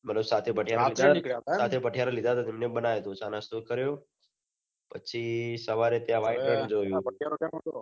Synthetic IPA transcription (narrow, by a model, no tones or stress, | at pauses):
mət̪ləbsat̪ʰepəʈʰjaalʰʱikjasaːt̪ʰepəʈʰijaɾalɪd̪ʱat̪at̪ɪmnebənaʋjet̪õt͡ʃanast̪ukəɾjoː | pət͡ʃʰisəʋaɾet̪jãʋaɪend͡ʒoːjũpəʈ̚ʰjaɾokao